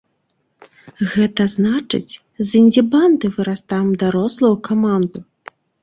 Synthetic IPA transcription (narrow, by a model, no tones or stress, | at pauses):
ɣɛt̪ɐznat͡ʂɨ̰t͡sʲ | zinʲdʲiband̪ɨvɨɾast̪ajmd̪aɾɔslˠɐjukamand̪u